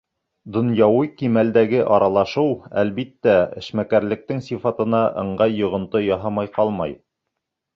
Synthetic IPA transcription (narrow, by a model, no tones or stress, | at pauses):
d̪ŏnjɑwɤjkimæld̪æɡɘʔɑɾɑlˠɑʃɤwæ̰lβit̪ːæɘ̰̆ʃmækæɾlɘ̆k̚t̪ɘŋsifɑt̪ɤ̆nɑʔɤ̰̆ɴɢɑjːŏʁɤ̆nt̪ɤjɑɦɑmɑjqɑlˠmɑj